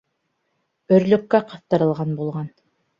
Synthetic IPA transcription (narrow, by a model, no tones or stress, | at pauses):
ɵ̆ɾlɵ̆kːæqɑθt̪ɤ̆ɾɤ̆lˠʁɑnbulˠʁɑn